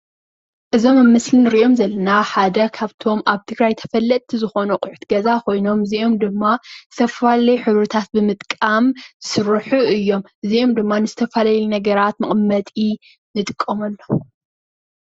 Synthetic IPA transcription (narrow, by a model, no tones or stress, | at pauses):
ʔɨzo̞mmːɨslinɨɾiʔo̞mzɐlːɐnaħad̪ɐkʰaβt̪ʰo̞mʔaβt̪ʰɨɡɾajt̪ʰɐ̥fɐlːɐt̪ʼʰːizɨxo̞nuqʼʊħu̥t̪ʰɡɐzakʰo̞jno̞mɨzio̞md̪ɨmːazɨt̪ʰɐfalɐjħɨβɾɨt̪ʰat̪̚bɨmɨt̪ʼkʼamsɨɾɨħuɨjːo̞mʔɨzio̞md̪ɨmːanɨzɨt̪ʰɐfalajlunɐɡɐɾat̪mɐχʼmːɐt̪ʼi | nɨt̪ʼɨkʼːɐmɐlːo